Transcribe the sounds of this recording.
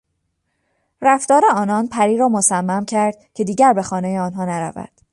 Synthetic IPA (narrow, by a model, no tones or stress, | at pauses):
ræft̪ɒːɾe̞ɒːnɒnpʰæɾiːɾɒːmosæmːæmcʰæɾd̪̥̚cʰe̞d̪iːɟæɾbe̞xɒːnejeɒːnɦɒːnæɾæ̰væ̰d̪̥